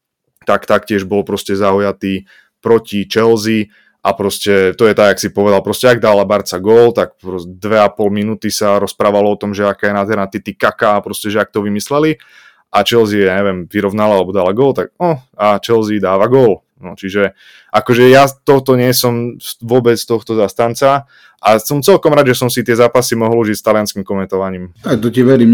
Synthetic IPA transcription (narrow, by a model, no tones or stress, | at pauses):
t̪akt̪akcɪɛʒbɔlpɾɔscɛzaujat̪iː | pɾɔcit͡ʃɛlzi | ʔapɾɔscɛt̪ɔjɛt̪aɡaksipɔʋɛd̪alˠpɾɔscɛaɡ̚d̪aːlabaɾt͡saɡɔlt̪ak̚pɾɔd̪ʋɛapɔlminuːt̪isaɾɔspɾaːʋalɔɔt̪ɔmʒɛakaːjɛnaːd̪ɦɛɾnat̪it̪ikakapɾɔscɛʒɛak̚t̪ɔʋimislɛli | ʔat͡ʃɛlziɛjaːɲɛʋɛmʋiɾɔʋnalaalɛbɔd̪aːlaɡɔlt̪ak̚ɔat͡ʃɛlzid̪aːʋaɡʊɔl | nɔt͡ʃiʒɛ | ʔakɔʒɛjat̪ɔɦt̪ɔɲɪɛsɔmʋʊɔbɛt͡st̪ɔxt̪ɔzast̪ant͡sa | ʔasɔmt͡sɛlkɔmɾad̪ʒɛsɔmsit̪ɪɛzaːpasimɔɦɔluʒicst̪alianskimkɔmɛnt̪ɔʋaɲiːmat̪ɔciʋɛɾim